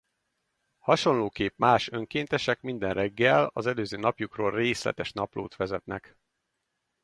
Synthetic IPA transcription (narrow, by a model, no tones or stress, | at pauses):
hɒʃo̞nloːkeːpmaːʃø̞ŋkeːnt̪ɛʃɛkmind̪ɛnrɛɡːɛlɒzɛløːzøːnɒpjukroːlreːslɛ̰t̪ɛʃnɒplo̰ːt̪ʋɛzɛt̪nɛ̰k